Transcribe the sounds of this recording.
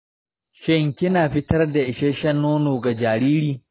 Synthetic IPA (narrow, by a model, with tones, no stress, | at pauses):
ʃɛ˦ŋkʲɪ˦naː˨ɸɪ˦tɐ˦rda˨ʔɪ˨ʃɛ˦ʃɐ˦nːoː˦noː˨ɡa˨d͡ʒaː˨ɾiː˦ɾiː˦